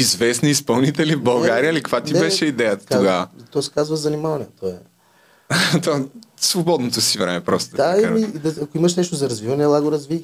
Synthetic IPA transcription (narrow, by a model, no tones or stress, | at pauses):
izvɛsniːspɐlˠnit̪ɛlivbɐlˠɡaɾijəlikəkvat̪ibɛʃɛid̪ɛjət̪ə̥t̪oɡavət̪ɔsɛ̥kazvɐzɐnimalˠnijət̪ɔɛ | t̪ɔɛsvobɔd̪not̪osivɾɛmɛpɾɔst̪od̪aimid̪ɐɐkoimɐʃnɛʃt̪ozɐɾɐzvivɐnɛlˠaɡoɾɐzvi